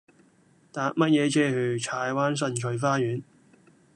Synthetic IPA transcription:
t̪aː˨˧k̚mɐ˥t̚jɛː˨˧t͡sʰɛː˥hɵ˨˧ɥt͡sʰaː˨˧jwaː˥ns̬ɐ˧nt͡ʃʰɵ˨˧ɥfaː˥jyː˨˥n

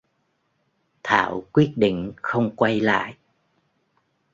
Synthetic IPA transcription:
t̪ʰa̰ː˧˨wkwi˦˥ət̚ɗḭ˧˨ŋ̟xə˧wŋ͡mkwa˧jla̰ː˧˨jʔ

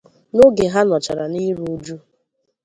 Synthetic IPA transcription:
no˦ɡe˨ɦa˦nɔ˨t͡ʃa˨ɾa˨ni˦ɾu˨˦d͡ʒu˦

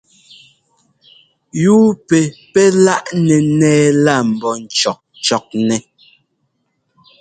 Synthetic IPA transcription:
juː˦pɛ˨pɛ˦la˦ʔnɛ˨nɛː˦la˦˨m̩˨bɔ˨n̩˨t͡ʃɔ˨k̚ | t͡ʃɔ˨k̚nɛ˨

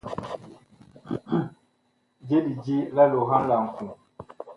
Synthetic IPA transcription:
d͡ʒe˦di˨d͡ʒi˦la˦lo˨ɦã˦n˦la˨ŋ̩˨kũ˨

